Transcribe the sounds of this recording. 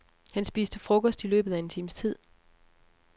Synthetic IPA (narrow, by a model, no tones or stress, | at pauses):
hænsb̥iːsd̥əfʁɔ̽kʰɒ̽sd̥ilø̰ːb̥ð̩ˠæe̝nt͡sʰḭːmst͡sʰið̰ˠ